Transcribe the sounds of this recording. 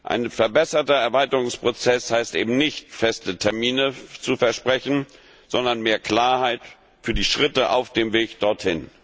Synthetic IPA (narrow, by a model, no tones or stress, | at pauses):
ʔa̰ɪnfɛɐbɛsɐtɐɛɐvaɪtəʁʊŋspʁ̥ot͡sɛshaɪstʔḛːbm̩nɪçtfɛstətʰɛɐmiːnət͡sufɛɐʃpʁ̥ɛçn̩ | z̥ɔndɐnmeːɐkl̥aːɐhaɪt | fyːɐdiːʃʁ̥ɪtəʔa̰ʊfd̥eːmveːkd̥ɔɐthɪn